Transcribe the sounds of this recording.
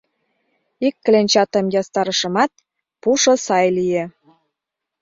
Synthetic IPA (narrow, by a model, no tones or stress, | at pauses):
ikːlenʲt͡ɕɑt̪ə̆mjɑst̪ɑɾə̆ʃə̆mɑt̪̚ | puʃŏsɑjlije